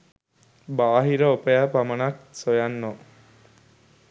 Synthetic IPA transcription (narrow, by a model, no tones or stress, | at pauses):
baːɦiɾəopəjapamənaksojanːo